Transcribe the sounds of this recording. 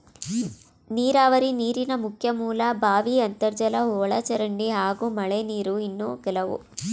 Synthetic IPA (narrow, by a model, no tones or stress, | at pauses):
niːɾaːʋɐɾiniːɾinɐmukʰjɐmuːlɐbʱaːʋiɐnt̪ɐɾd͡ʒɐlɐɦɔːɭɐt͡ʃɐɾɐɳɖiɦaːɡumɐɭeniːɾuinːukɛlɐʋṵ